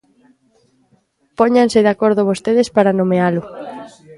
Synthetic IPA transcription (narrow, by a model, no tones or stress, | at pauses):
pɔɲansɪðakoɾðʊβost̪eð̞ɪspaɾanomealʊ